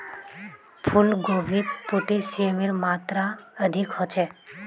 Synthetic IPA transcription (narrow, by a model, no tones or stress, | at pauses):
pʰulɡobʱit̪̚poʈesiemeɾmat̪ɾaəd̪ʱikɦɔt͡ʃʰɛ